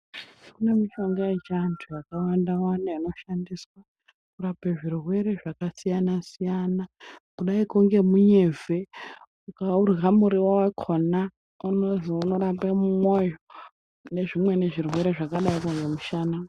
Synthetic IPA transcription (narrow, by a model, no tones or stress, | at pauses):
kune̞miʃo̞ŋɡaet͡ʃeantʰujakawandawanaino̞ʃandiswa | urapeʐirwe̞ɾe̞ʐakasijanasijanakuɗaikuŋɡe̞muɲe̞vʱe̞ | ukaurɣamuɾiwawakʰona | unozunoɾapemumojo | ne̞ʐimwe̞ne̞ʐirwe̞ɾe̞ʐakaɗaikoŋɡemuʃana